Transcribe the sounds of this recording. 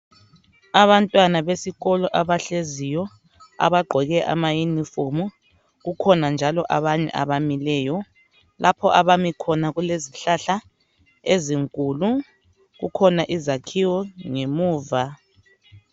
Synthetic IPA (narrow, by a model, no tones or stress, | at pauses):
aβantʼwanaβesiɣɔlɔʔaβaɬezijɔ | a̰βaɡ͡ǃʱɔɣɛʔa̰majunifomu | ɣukʰɔnand͡ʒʱalɔʔaβaɲɛ̰ʔa̰βamilɛːjɔ | lʔapʰɔʔaβamikʰɔnaɣuleziɬaɬa | eziŋkʼulu | ɣṵkʰɔnaʔizakʰiwɔŋemuːva